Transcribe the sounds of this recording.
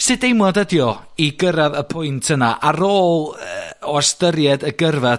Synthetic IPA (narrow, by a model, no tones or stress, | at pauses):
sɨdejmɔdədjɔiɡəɾaðəpʰʊjntʰənaʔaɾoːlˠəɔstəɾjɛdəɡərva